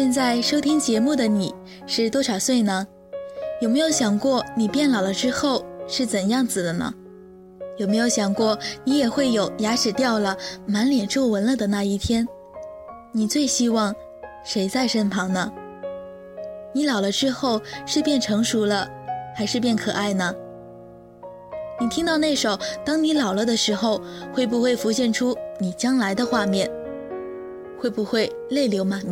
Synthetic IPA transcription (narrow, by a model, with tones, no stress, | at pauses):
ɕjɛ˥˧nt͡sa˥˩ɪʂo˥ʊt̪ʰi˥ŋt͡ɕjɛ˧˥mu˥˩d̪ə˩ni˨˩˦ | ʂɻ̩˥˩t̪wɔ˥ʂɑ˨˩ʊswe˥˩ɪnə˩ | jo˨˩me˧˥ɪjo˧˥ʊɕjɑ˨˩ŋkwɔ˥˩ni˨˩pjɛ˥˩nlɑ˨˩ʊlə˦ʈ͡ʂɻ̩˥xo˥˧ʊʂɻ̩˥˩t͡sə˨˩njɑ˥˩ŋt͡sɹ̩˨˩d̪ə˦nə̰˩ | jo˨˩me˧˥ɪjo˧˥ʊɕjɑ˨˩ŋkwɔ˥˩ni˧˥jɛ˨˩xwe˥˩ɪjo˨˩ʊja˧˥ʂɻ̩˨˩t̪jɑ˥˩ʊlə˩ma˧˥nljɛ˨˩nʈ͡ʂo˥˩wə˧˥nlə˥˧˩d̪ə˩na˥˧i˥˩t̪ʰjɛ˥n | ni˨˩t͡swe˥˩ɪɕi˥wɑ˥˩ŋ | ʂe˧˥ɪt͡sa˥˧ɪʂə˥npʰɑ˧˥ŋnə˧ | ni˧˥lɑ˨˩ʊlə˦ʈ͡ʂɻ̩˥xo˥˩ʊʂɻ̩˥˧pjɛ˥˩nʈ͡ʂʰɤ˧˥ŋʂu˧˥lə˧ | xa˧˥ɪʂɻ̩˥˧pjɛ˥˩nkʰɤ˨˩ʔa˥˩ɪnə˩ | ni˨˩t̪ʰi˥ŋt̪ɑ˥˧ʊne˥˩ɪʂo˨˩ʊt̪ɑ˥ŋni˧˥lɑ˨˩ʊlə˦d̪ə˨˧ʂɻ̩˧˥xo˥˧ʊxwe˥˩ɪpu˧xwe˥˩ɪfu˧˥ɕjɛ˥˩nʈ͡ʂʰu˥ni˨˩t͡ɕjɑ˥ŋla˧˥ɪd̪ə˧xwa˥˧mjɛ˥˩n | xwe˥˩ɪbu˧xwe˥˧ɪ | le˥˩ɪljo˧˥ʊma˨˩